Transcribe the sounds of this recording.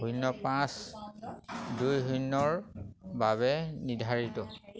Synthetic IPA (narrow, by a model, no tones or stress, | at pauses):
ɦujnɔpãs | dujɦujnːɔɹbaβɛnidʱaɹitɔ